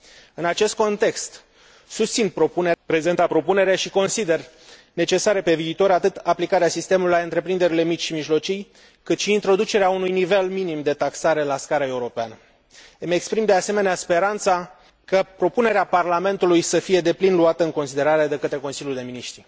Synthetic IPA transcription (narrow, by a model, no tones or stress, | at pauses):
ɨnat͡ʃe̞st̪̚ko̞nt̪e̞kst̪ | sust̪sinpɾo̞punepɾe̞ze̞nt̪apɾo̞pune̞ɾeʃiko̞nsid̪e̞r | ne̞t͡ʃe̞saɾepe̞viːt̪o̞ɾat̪ɨt̪aplikaɾeasist̪e̞muluijlaɨnt̪ɾe̞pɾind̪e̞ɾile̞mit͡ʃʲʃimiʒlo̞t͡ʃij | kɨt̪ʃiːnt̪ɾo̞d̪ut͡ʃe̞ɾeaunujnive̞lminimd̪e̞t̪aksaɾelaskaɾae̞uɾo̞peanə | əmekspɾimd̪ease̞me̞neaspe̞ɾant̪sa | kəpɾo̞pune̞ɾeaparlame̞nt̪ulujsəfije̞d̪e̞plinluat̪əɨŋko̞nsid̪e̞ɾaɾe̞d̪e̞kət̪ɾe̞ko̞nsilʲjuld̪e̞miniʃt̪ɾi